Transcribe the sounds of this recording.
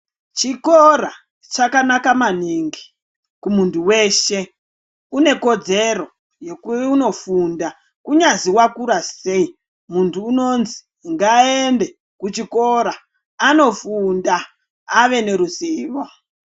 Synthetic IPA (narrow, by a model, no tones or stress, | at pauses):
t͡ʃikora | t͡ʃakanakamaniŋɡi | kumuntʰuwe̞ʃe̞ | une̞ko̞d͡ze̞ro̞ | jekuuno̞funda | kuɲaziwakuɾase̞i | muntʰuːno̞nzi̥ | ŋɡaende̞ | kut͡ʃiko̞ɾaː | no̞fundaː | ʋe̞ne̞ɾuziːʋo